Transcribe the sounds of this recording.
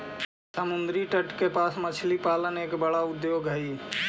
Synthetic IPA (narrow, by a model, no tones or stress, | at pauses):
səmʊnd̪ɾiʈəʈkepaːsmət͡ʃʰlipaːləneːkbəɽaʊd̪joːɡəi